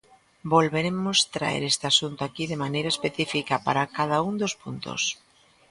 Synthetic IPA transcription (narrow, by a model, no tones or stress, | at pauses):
bolβeɾemost̪ɾa̰ḛɾest̪easunt̪oakiðemanejɾaespeθifikapaɾakaðaund̪ospunt̪o̰s